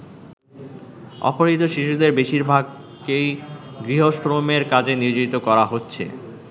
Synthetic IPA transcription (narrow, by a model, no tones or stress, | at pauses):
ɔ̰poɾɦit̪oʃiʃud̪eɾbeʃiɾbʱaɡ | ejɡɾiɦoʃɾomeɾkad͡ʑeniɾd͡ʑoit̪okɔɾaɦotːɕʰḛ